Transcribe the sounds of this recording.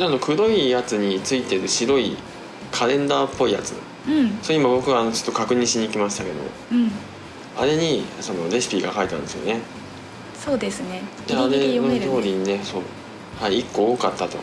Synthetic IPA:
nand̪okɯ̟ɾo̞ijat͡sɨɲ̟it͡sɨit̪e̞ɾɯ̟ɕiɾo̞i | kʰaɾẽ̞nd̪aːpːo̞ija̰t͡sɨ̰ | ɯ̃ɴsoimabo̞kɯ̟ɡaːno̞t͡ɕo̥t̪ːokakɯ̟ɲ̟ĩɰ̃ɕiɲ̟iːkʲimaɕi̥t̪ake̞d̪o̰õ̰ | a̰ɾe̞ɲ̟iso̞no̞ɾe̞sɨ̥pʲiːɡakait̪ã̰nd̪e̞sɨijo̞̰ne̞ | soːd̪e̞sɨne | eaɾenot̪o̞ːɾʲiɲ̟ine̞so̞ː | haiːkːo̞okat̪ːat̪o̞̰

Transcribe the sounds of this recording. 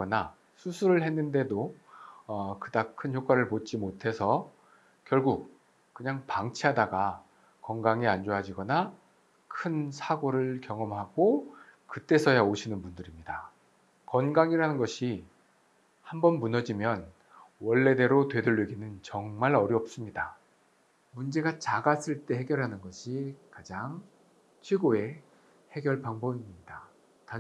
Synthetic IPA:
ʌna | sʰusʰuɾɯɭhe̞nːɯnde̞do | ʌkɯdakʰɯnçjok͈waɾɯɭpot̚t͡ɕ͈imotʰe̞sʰʌ | kjʌɭɡuk͈̚ː | ɯɲaŋpaŋt͡ɕʰiɦadaɡa | kʌŋɡaŋiand͡ʑoɦad͡ʑiɡʌna | kʰɯnsʰaɡoɾɯɭkjʌŋʌmɦaɡo | kɯt͈e̞sʰʌjaoɕʰinɯnbundɯɾimɲida | kʌnɡaŋiɾɦanɯnɡʌɕʰi | hambʌnmunʌd͡ʑimjʌn | wʌɭːe̞de̞ɾotwe̞dɯɭːɯɡinɯnt͡ɕʌŋmaɾʌɾjʌp̚s͈ɯmɲida | mund͡ʑe̞ɡat͡ɕaɡas͈ɯɭt͈e̞ɦe̞ɡjʌɭɦanɯnɡʌɕʰikad͡ʑaŋ | t͡ɕʰweɡoe̞ | he̞ɡjʌɭpaŋbʌbimɲida | ta

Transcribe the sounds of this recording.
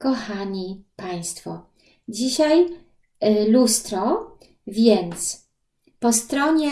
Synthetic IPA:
kɔxaɲipaj̃st̪fɔ | d͡ʑiɕaj | lust̪ɾɔ | vʲjɛnt̪s | pɔst̪ɾɔɲɛ

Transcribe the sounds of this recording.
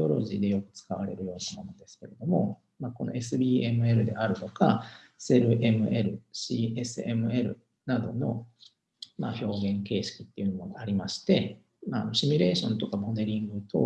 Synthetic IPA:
o̞ɾo̞̰ʑiːd̪e̞jo̞kɯ̟̥t͡sɨ̥kaβaɾe̞̰ɾɯ̟jo̞ːnanonod̪e̞sɨ̥ke̞ɾe̞d̪o̞mo̞ | mako̞no̞e̞sɨbʲiːe̞mɯ̟e̞ɾɯ̟d̪e̞̰ʔaɾɯ̟t̪o̞ka | se̞ɾɯ̟ʔe̞mɯ̟ʔe̞ɾɯ̟ɕiːe̞sɨe̞mɯ̟e̞ɾɯ̟̰ | nad̪o̞no̞ | ma̰ːço̞ːɡẽ̞ŋke̞ːɕi̥kʲi̥t̪ːe̞iɯ̟nomoɡaaɾʲimaɕi̥t̪e̞ | maːnoɕimʲiɾe̞ːɕõ̞nt̪o̞kamo̞d̪e̞ɾʲĩŋɡɯ̟t̪o̞̰

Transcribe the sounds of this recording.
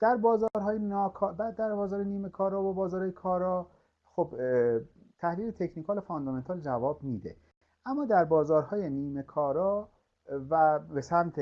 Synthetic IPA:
d̪̥æɾbɒːzɒɾɦɒːjenɒːkʰːbæd̪æɾbɒːzɒːɾeniːmekʰɒːɾɒːvobɒːzɒːɾhɒːjekʰɒːɾɒ | xob | t̪ʰæhliːlet̪ʰecʰnikʰɒːlofond̪ɔme̞nt̪ʰɒːld͡ʒævɒːbmiːd̪ḛ | ʔæmːɒːd̪æɾbɒːzɒːɾhɒːjeniːmekʰɒːɾɒː | væbesæmt̪ʰe

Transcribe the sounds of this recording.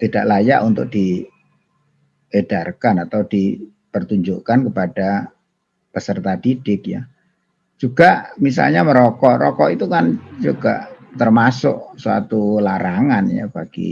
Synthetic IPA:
t̪idaʔlaja̰ʔunt̪ʊk̚d̥i | ed̥arkanat̪awdi | pərt̪uɲd͡ʒʊʔkankəpada | pəsərt̪ad̪idɪkja̰ | d͡ʒ̥uɡ̥aʔmis̬a̰lɲaməɾɔkɔʔɾɔkɔʔit̪ukand͡ʒuɡ̥a̰ʔt̪ərmasʊ̰ʔsua̰t̪ulaɾaŋanja̰b̥aɡ̥ḭ

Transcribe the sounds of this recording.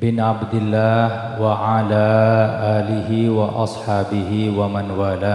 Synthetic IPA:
bɪnʕabd̪ɪlːaːh | waʕalaːʔaːlɪɦɪwɑʔɑ̰sˤħɑːbɪɦɪwamanwaːlaː

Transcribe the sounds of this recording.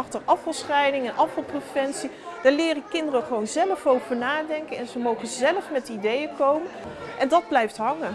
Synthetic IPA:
ɑχtərɑfɑlˠsχɛjnɪŋɛnʔɑfɑlˠprəfɛntsi | d̥aːɹlɪːrəkɪndərəχəʋownzɛləfowvəɹnaːdɛŋkənɛnzəmowχənzɛləfmɛtidejəkowmənʔɛndɑd̚blɛjftɦɑŋə

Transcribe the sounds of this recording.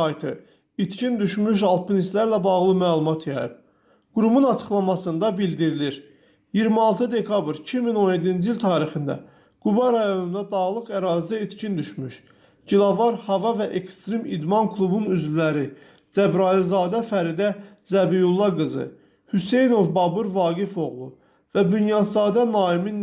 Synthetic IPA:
ɑjt̪ʰɯ̰ | it̪cʰind̪yʃmyʃ̬ɑlˠpʰinist̪læɾlæbɑɣlˠɯmælˠumɑt̪ʰjɑjɯ̰b̥̚ | ɡ̥uɾumunɑt͡ʃʰɯ̥χlˠɑmɑsɯnd̪ɑbild̪iɾiliɾ | jiɾmiɑlˠt̪ʰɯd̪e̞kʰɑbɾcʰimino̞nje̞d̪ind͡ʒiilt̪ʰɑːɾixind̪æ̰ | ɡ̥ubɑɾɑjo̞nund̪ɑd̪ɑɣlˠɯkæɾɑːzid̪æit̪cʰind̪yʃmyʃ | ɟilˠɑvɑɾhɑvɑvæʔekst̪ɾimid̪mɑnkʰlˠubunyzvilæɾi | d͡ʒæbɾɑilzɑːd̪æfæɾid̪æ | zæbijulˠːɑɡɯzɯ̰ | hyse̞jno̞vbɑbuɾvɑːɡifo̞ɣlˠṵ | væbynjɑd̪zɑːd̪ænɑːimin

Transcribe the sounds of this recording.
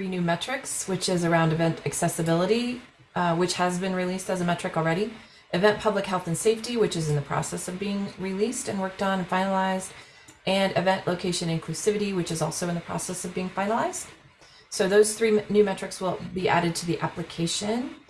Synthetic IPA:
θɹinʉmɛt͡ʃɹ̥ɨkswɨt͡ʃɪzə˞ãʊ̃ndɨvɛ̃ntɨksɛsɨbɪlˠəɾi | wɨt͡ʃhəzbɨ̃nɹilistɨzɨmɛt͡ʃɹ̥ɨkl̩ˠɹɛɾi | ʔɨvɛ̃npʰʌblɨkhɛlˠθɨ̃nseɪftiwɨt͡ʃɨzɨ̃nðɨpʰɹ̥ɑ̰sɛsʌvbiɪ̃ŋɹilistɨ̃nwɜ˞k̚tn̩fãɪ̃nəlaɪzd | ʔɨ̃nɨvɛ̃nʔlʔoʊkʰeɪʃɨ̃nɨ̃nkʰl̥ʉsɪvɨɾiwɨt͡ʃɨzɔlˠsoʊɨ̃nðəpʰɹ̥ɑ̰sɛsʌvbiɪ̃ŋfãɪ̃nəlaɪz̥d̥ | soʊðoʊz̥θɹinʉmɛt͡ʃɹ̥ɨkswɪlˠbiʔæ̰ɾɨd̚tʰɨðiʔæplɨkʰeɪʃɨ̃n

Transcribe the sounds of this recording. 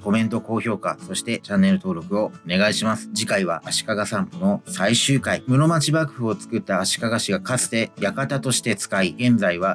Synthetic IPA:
ko̞mẽ̞nt̪o̞ko̞ːço̞ːka̰so̞ɕi̥t̪e̞t͡ɕãnːe̞ɾɯ̟t̪o̞ːɾo̞kɯ̟o̞one̞ɡaiɕimasɨ̥d͡ʑikaiβ̞a̰ʔːɕi̥kaɡasãŋkno̞saiɕɨːkaimɯ̟no̞mat͡ɕibakɯ̟̥ɸɯ̟o̞t͡sɨ̥kɯ̟t̪ːaːɕi̥kaɡaɕiɡakat͡sɨ̥t̪e̞jakat̪at̪o̞ɕi̥t̪e̞t͡sɨ̥kaiɡẽ̞nd͡zaiβ̞a

